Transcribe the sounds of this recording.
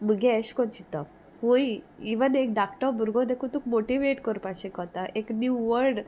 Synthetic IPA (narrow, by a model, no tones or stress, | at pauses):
məɡɛəɕkɔnt͡ɕit̪ɔ | hũj | iʋənek̚ɖ̪akʈɔbʱuɾɡɔ̃d̪ekʰut̪ukmoʈiʋeʈkəɾpaɕekɔt̪aʔeknjuʋəɾɖ